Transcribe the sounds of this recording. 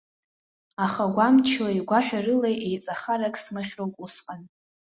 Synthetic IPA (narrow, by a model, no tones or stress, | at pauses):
aχaɡʷamt͡ʃʰlaiɡʷaħᶣarɨlejʔejt͡sʼaχaɾakʼsmɨχʲrowkʷʼusqʼan